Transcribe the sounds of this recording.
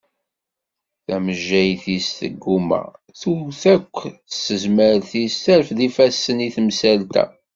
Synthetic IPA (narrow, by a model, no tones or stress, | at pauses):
θæməʒːæjθisθə̰ɡːumæ̰ | θuθækʷːəsːəzməɾθisθæɾfðifæsːəniθəmsælt̪æ̰